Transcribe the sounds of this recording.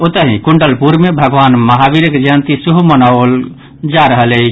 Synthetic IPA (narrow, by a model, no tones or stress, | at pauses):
ot̪əɦĩkuɳɖəlpuɾmebʱəɡʋanməɦabiɾəkd͡ʒənt̪isuɦumənaol | d͡ʒaɾəɦələt͡ʃʰ